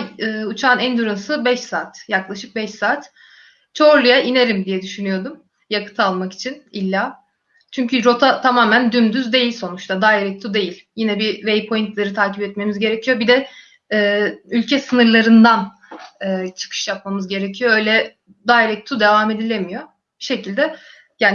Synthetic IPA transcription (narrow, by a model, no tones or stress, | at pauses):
ɯːut͡ʃʰaːnænd̪yɾunsɯbɛʃsaːt̪jaklˠaʃɯk̚bɛʃsaːt̪ | t͡ʃʰo̞ɾlˠujaʔine̞ɾimd̪ijɛd̪yʃynyjo̞d̪um | jakʰɯ̥t̪ʰalˠmaki̥t͡ʃʰinilʲːaː | t͡ʃʰyɲcʰyɾo̞t̪ʰat̪ʰamaːmænd̪ymd̪yzd̪e̞jilʲso̞nut͡ʃt̪ad̪aːiɾɛc̚t̪ʰud̪e̞jilʲjinɛbivejpʰo̞jint̪lˠaɾɯt̪ʰaːcipɛt̪me̞mizɟe̞ɾecʰijo̞bid̪ɛ | ɛːylʲcʰɛsɯnɯɾlˠaɾɯnd̪an | ɯːt͡ʃʰɯ̥kʰɯ̥ʃjap̚mamɯzɟe̞ɾecʰijo̞ø̞jlʲɛ | d̪aːɾɛc̚t̪ʰud̪e̞vaːme̞d̪ilʲe̞mijo̞ | biʃe̞cʰilʲd̪ɛ | jaːn